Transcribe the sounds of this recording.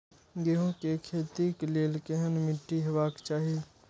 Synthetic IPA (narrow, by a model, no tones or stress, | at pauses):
ɡeɦõkekʰeːt̪ikleːlkeɦənmɪʈːiɦəʋaːkt͡ʃaːɦi